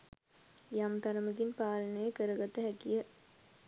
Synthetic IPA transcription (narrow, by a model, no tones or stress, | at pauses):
jamt̪aɾəməɡinpaːlənəjəkəɾəɡat̪əɦækijə